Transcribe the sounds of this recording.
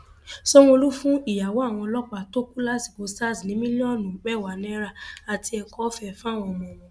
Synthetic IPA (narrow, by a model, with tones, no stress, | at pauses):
sɔ˦w̃o˧lu˦fũ˦i˦˨ja˨wɔ˨˦a˦˨w̃ɔ̃˧lɔ˦k͡pa˦˨to˦ku˦la˦si˨bo˨˦sta˦˨snĩ˨˦mĩ˦li˦ɔ̃˦˨nũ˨k͡pɛ˦˨wa˨nĩ˦ɾa˦˨a˨ti˧ɛ˧kɔ˦fɛ˦˨fw̃ɔ̃˧˨mɔ̃˨mɔ̃˨